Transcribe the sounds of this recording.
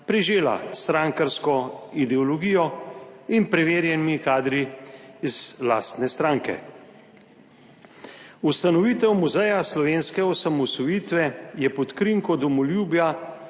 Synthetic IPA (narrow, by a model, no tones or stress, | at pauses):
pɾiʒeːla̰st̪ɾaŋkaɾskɔid̪ɛɔlɔɡiːjɔinpɾɛʋeːɾjɛnmikaːd̪ɾiːz̥la̰ːst̪nɛst̪ɾaːŋkɛ̰ | ust̪anɔʋiːt̪ɛwmuzɛjaslɔʋeːnskɛɔsamɔsɔjiːt̪ʋɛjɛpɔt̪kɾiŋkɔd̪ɔmɔljuːbja